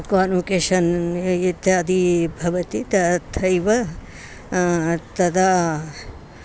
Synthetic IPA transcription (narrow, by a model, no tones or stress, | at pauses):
kaːnukeːʃɐnit̪jaːd̪ibʱɐʋɐt̪it̪ɐt̪ʰɐjʋɐ | t̪ɐd̪a